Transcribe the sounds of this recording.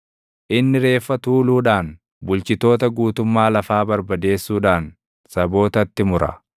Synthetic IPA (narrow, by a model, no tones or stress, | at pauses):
ʔɪnːɪɾe̞ːfːɐt̪uːluːᶑaːn | bʊlt͡ʃɪt̪o̞ːt̪ɐɡuːt̪ʊmːaːlɐfaːbɐɾbɐd̪e̞ːsːuːᶑaːn | sɐbo̞ːt̪ɐt̪ːɪmʊɾɐ̰